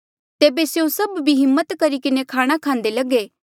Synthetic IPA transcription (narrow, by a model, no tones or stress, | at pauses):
t̪eːbesjõsɐbbʱiɦɪmːət̪kɐɾikɪnekʰaːɽ̃akʰãːnd̪elɐɡe